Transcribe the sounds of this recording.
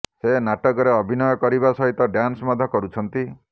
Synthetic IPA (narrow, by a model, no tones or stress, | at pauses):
senaʈɔkɔɾeɔbʱinɔjɔkɔɾibasɔɦit̪ɔɖjansmɔd̪ʱɔkɔɾut͡ʃʰɔnt̪i